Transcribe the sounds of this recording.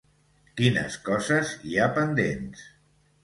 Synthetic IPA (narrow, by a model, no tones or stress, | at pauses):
kinə̰skɔzəziapənd̪ḛns